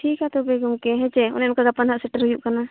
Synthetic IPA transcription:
ʈʰikat̪ɔbɛɡɔmkɛɦɛ̃t͡ʃɛɔ̰nɛjɔnkaɡapanɦaʔsɛʈəɾɦujuʔkana

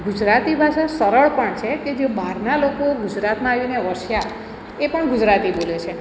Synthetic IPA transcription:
ɡud͡ʒɾat̪ibʱaʃasəɾəɭpəɳt͡ʃʰeked͡ʒebaɾnalokoɡud͡ʒɾat̪mãːʋineəʋəʃja | epəɳɡud͡ʒɾat̪ibolet͡ʃʰe

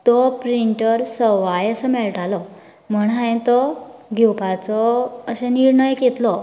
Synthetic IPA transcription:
t̪ɔpɾiɳʈəɾsəʋajəsəmɛɭʈalɔ | m̤əɳɦãj̃t̪ɔɡʱewpat͡sɔəsɛ̃niɾɳəjket̪lɔ

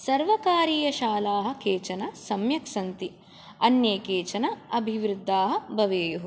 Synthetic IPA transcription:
sɐɾʋɐkaːɾiːjɐʃaːlaːɦɐ̆keːt͡ʃɐnɐsɐmjɐkʂɐnt̪i | ɐnjeːkeːt͡ʃɐnɐɐbʱiʋɾud̪ːaːɦɐ̆bʱɐʋeːjuɦu

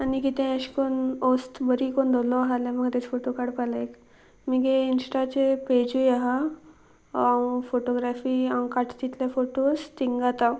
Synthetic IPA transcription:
anikit̪ɛ̃əɕkonost̪bəɾikond̪ʱolɔɦalɛ̃məɡt̪et͡sfoʈokaɽpalaek | miɡeinsʈat͡seped͡ʑujaɦa | ãfoʈoɡɾafiːaw̃kaʈʰt̪it̪ljafoʈost̪iŋɡat̪a

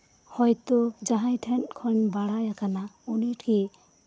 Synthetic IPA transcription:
hɔjt̪od͡ʒaɦãjtʰenkʰɔnbaɽajakanauniʈʰki

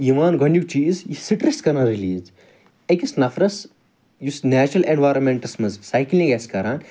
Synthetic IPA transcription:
iʋaːnɡʱɐnʲjuk̚t͡ʃiːzjisiʈɾiskɐnɐɾiliːz | ɐkisnɐfɾɐs | jusnæːt͡ʃɾɐlenʋaːjɾɐnmeɳʈɐsmɐzsaːjkilniɡɐskɐɾaːn

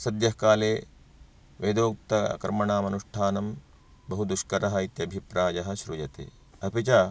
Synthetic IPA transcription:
sɐd̪jɐɦkaːleː | ʋeːd̪oːk̚t̪ɐɐ̰kɾɐmɐɳaːmɐnuʂʈʰaːnɐm | bɐɦud̪uʃkɐɾɐɦɐit̪jɐbʱipɾaːjɐɦɐ̆ʃɾujɐt̪ḛː | ɐpit͡ʃaː

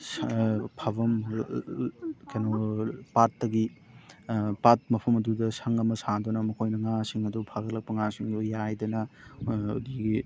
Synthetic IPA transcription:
spʰabɐm | kanopatːɐɡi | pat̚mɐpʰɐmɐdudɐsɐŋɐmɐsadɔnɐmɐkʰojnɐŋasiŋɐdupʰaɡɐlɐk̚pɐŋasiŋdujajdɐnɐ | o̰diɡi

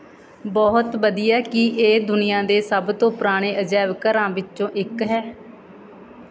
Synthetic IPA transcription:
bɔɦt̪ʋəd̪iːjaːkɪʔeːd̪ʊnɪjãːd̪eːsəbt̪õːpɾaːɽ̃eːəd͡ʒɛːʋkəɾãːʋɪt͡ʃːt͡ʃõːʔɪkɦɛː

